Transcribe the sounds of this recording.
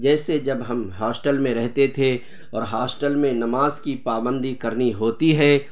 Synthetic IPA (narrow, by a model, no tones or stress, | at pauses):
d͡ʒɛːsed͡ʒɐbɦɐmɦaːsʈəlmẽɾɛɦt̪et̪ʰe | ɔːɾɦaːsʈəlmẽnɐmaːzkipaːbə̃nd̪ʱikɐɾniɦoːt̪iɦɛː